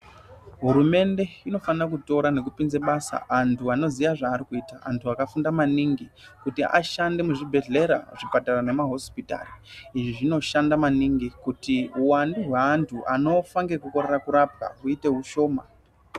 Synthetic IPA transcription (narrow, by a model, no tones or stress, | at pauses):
ɦuɾume̞nde̞ino̞fanrak̬uto̞ɾane̞kupinzeɓasa̰antʰuano̞ziʋaʐaːɾikuiːtaʔa̰ntʰuakafundamaniŋɡi | kutiʔa̰ʃande̞muʐibʱe̞ɮe̞ɾa̰ʐipatarane̞maɦo̞spita̰ːriiʐiʐino̞ʃandamaniŋɡikutiuwanduɦweantʰuʔano̞faŋɡekuko̞ɾerakuɾap̚a̰uite̞ɦuʃo̞ːma